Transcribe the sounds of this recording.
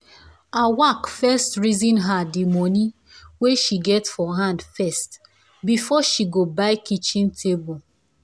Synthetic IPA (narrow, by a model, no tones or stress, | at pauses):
awakfɛstɹizĩnɦadimɔ̃ni | weʃiɡɛtsfɔɦãndfɛst | bifɔʃiɡobaɪkit͡ʃĩntʰebul